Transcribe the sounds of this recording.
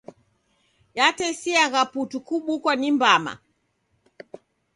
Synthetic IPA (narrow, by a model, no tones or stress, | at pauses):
jatɛsiaɣaputukuɓukwanimbama̰